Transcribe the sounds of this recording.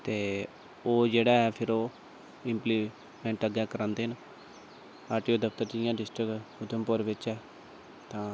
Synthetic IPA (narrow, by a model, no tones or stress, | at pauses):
t̪eː | oːd͡ʒeːɽaːɛːpʰɪɾoː | ɪmpliː | mɛ̃ːɳʈəɡɛːkəɾãːnd̪eːɦən | aːɾʈiːoːd̪əpʰt̪əɾʈijãːɖɪsʈɾɪkʊd̪əmpʊɾʋɪt͡ʃɛː | t̪ãː